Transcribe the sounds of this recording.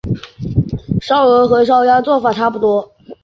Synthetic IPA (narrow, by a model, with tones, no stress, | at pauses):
ʂɑ˥ʊɤ˧˥xɤ˧˥ʂ̬ɑ˥ʊja˥t͡swɔ˥˩fa˨˩t̪ʰa˥pu˥˩t̪wɔ˥